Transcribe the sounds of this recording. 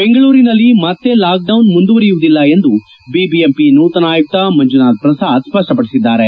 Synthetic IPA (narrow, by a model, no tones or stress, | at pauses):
be̞ŋɡɐɭuːɾinɐlːimɐt̪ːe̞laːk̚ɖɐwnmund̪uʋɐɾijuʋud̪ilːɐe̞nd̪u | bibiempinuːt̪ɐnaːjuk̚t̪ɐmɐɲd͡ʒunaːd̪̚pɾɐsaːd̪spɐʂʈɐpɐɽisid̪ːaːɾe̞